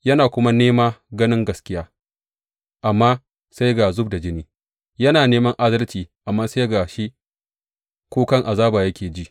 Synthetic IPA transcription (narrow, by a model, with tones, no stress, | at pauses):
jɐ˦naː˨kʷʊ˦ma˦neː˦maː˦ɡɐ˦nɪ˦ŋɡɐ˨skʲɪ˦jaː˦ | ʔa˨mːaː˦ | sa˦jɡaː˨zʊ˦bda˨d͡ʒɪ˦niː˦ | jɐ˦naː˨neː˦mɐ˦ŋʔa˦dɐ˦lt͡ʃiː˨ʔa˨mːaː˦sa˦jɡa˨ʃi˦ | kʷoː˦kɐ˦ŋʔa˨zaː˦baː˨jɐ˦kʲʰeː˨d͡ʒi˦ʔ